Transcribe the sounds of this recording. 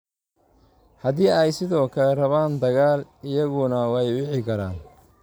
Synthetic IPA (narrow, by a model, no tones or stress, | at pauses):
hɐðiːɛjsɪðɔːkʰɐlɛrɐβaːnd̪ɐɣaːlɪjɐɣʊnɐwɑjwɪħɪkʰɐɾa̰ːn